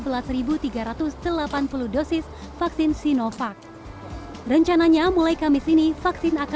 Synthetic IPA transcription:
bəlasɾibut̪iɡaɾat̪ʊsdəlapanpuluhdosɪs | faksɪnsinofak̚ | rəɲt͡ʃanaɲamulajkamɪsinifaksɪnak

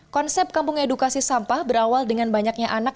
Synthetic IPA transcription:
kɔnsɛp̚kampʊŋedukasisampahbəɾawaldəŋanbaɲak̚ɲaʔanak̚

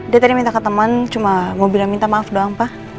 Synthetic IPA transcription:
diat̪aɾimint̪akət̪əmənt͡ʃumamobilaŋmint̪amaːfdoaŋpa

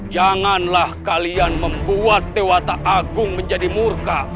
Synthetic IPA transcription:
d͡ʒaŋanlahkalianməmbuat̪̚ːewat̪aʔaɡʊŋməɲd͡ʒadimurka

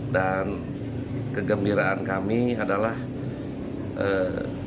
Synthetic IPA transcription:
dan | kəɡəmbiɾaankamiadalah | ʔə

